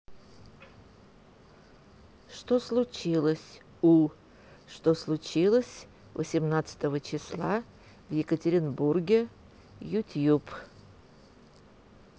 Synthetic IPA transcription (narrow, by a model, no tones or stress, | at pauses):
ʂt̪oslˠʊt͡ɕilˠəsʲ | u | ʂt̪oslˠʊt͡ɕilˠəsʲ | vəsʲɪmnat̪sɨ̥t̪əvət͡ɕɪslˠa | vjɪkətʲɪɾʲɪnburɡʲe | jʊtʲjup